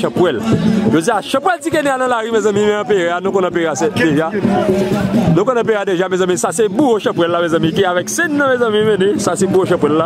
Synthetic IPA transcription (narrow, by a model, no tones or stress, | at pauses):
ʃãpwɛlʒod͡zijaʃɐ̃pwɛltikɛneanɐ̃laɣimɛ̃zɐ̃mĩmɛ̃ãpeɣeanõkɔ̃nãp̬eɣeasɛdeʒa | nõkɔ̃nãp̬eadeʒamɛ̃zɐ̃mĩsasebuoʃãpwɛlːamɛ̃zɐ̃mĩk̬iavɛksɛnːɐ̃mɛ̃zɐ̃mĩmɛ̃nẽsasebuoʃɐ̃pwɛlːa